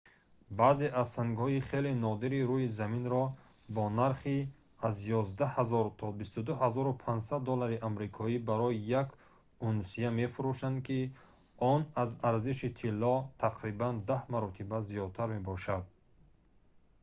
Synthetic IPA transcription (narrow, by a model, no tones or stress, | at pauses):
baːze̞ʔazsaŋɡhɔiχelenɔd̪iɾiɾujizaminɾɔ | bɔnaɾχi | azjɔzd̪ahazɔɾt̪ʰɔbist̪ud̪uhazɔɾupʰand͡ʒsad̪ːɔlaɾiʔamɾikʰɔibaɾɔjijak | unsijame̞fuɾuʃand̪̚kʰi | ɔnazaɾziʃit̪ʰilːɔt̪ʰaqʰɾiband̪ahmaɾɔt̪ʰibazijɔd̪̚t̪ʰaɾme̞bɔʃad̪̚